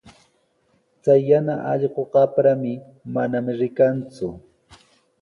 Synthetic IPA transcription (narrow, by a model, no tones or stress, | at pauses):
t͡sajːanaʔɑ̰ʎɢoɢɑpɾamɪ | manamɪɾɪkant͡sʊ